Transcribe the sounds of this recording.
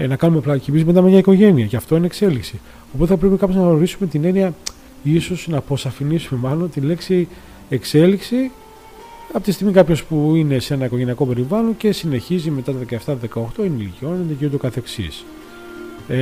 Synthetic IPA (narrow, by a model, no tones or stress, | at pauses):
nɐkɐnumeplɐcimisime̞t̪ɐmeɲɐiko̞ʝe̞niɐceɐft̪o̞inekse̞liksi | opot̪eθɐpɾpikɐpoznɐɣnoɾisume̞t̪ine̞niɐ | isosnɐpɾo̞sɐfinisume̞mɐlo̞t̪ile̞ksi | e̞kse̞liksi | ɐpot̪ist̪iɣmikɐpço̞spuine̞se̞nɐikoʝeniɐko̞pe̞ɾivɐlo̞nce̞sine̞çizime̞t̪ɐt̪oðekɐeft̪ɐt̪ðe̞kɐoxt̪o̞ineilicio̞not̪eniciuno̞kɐθeksḭs